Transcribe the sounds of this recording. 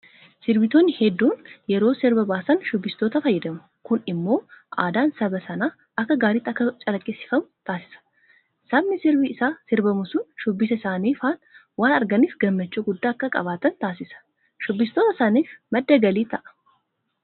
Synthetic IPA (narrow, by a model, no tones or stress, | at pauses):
sɪɾbɪt̪oːnːɪhɛd̪ːuːnjɛɾo̞ːsɪɾbɐbaːsɐnʃʊbːɪst̪o̞ːt̪ɐfɐjːɐd̪ɐmʊ | kʊnɪmːo̞ːʔaːd̪aːnsɐbɐsɐnaː | ʔɐkːɐɡaːɾɪt̪ːɐkːɐt͡ʃʼɐlɐkʼːɪsɪ̥fɐmʊt̪aːsɪ̥sɐ̥ | sɐmːɪsɪɾbɪːsaːsɪɾbɐmʊsʊnʃʊbːɪsɐɪsaːniːfaːn | waːnɐɾɡɐnisɡɐmːɐt͡ʃːuɡʊd̪ːaːɐkːɐkʼɐ̰βaːt̪ɐnt̪aːsɪsɐ̥ | ʃʊbːɪst̪oːt̪ɐsaːniːfmɐd̪ːɐɡɐliːt̪ɐʔɐ̥